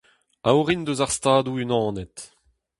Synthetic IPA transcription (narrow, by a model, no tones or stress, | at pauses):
awʁind̪øzaʁst̪aːd̪uynɑ̃ːnɛt̪